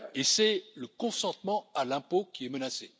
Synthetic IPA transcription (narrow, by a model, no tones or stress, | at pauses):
esɛləkɔ̃sɑ̃t̪mɑ̃alɛ̃pokʲiɛmənase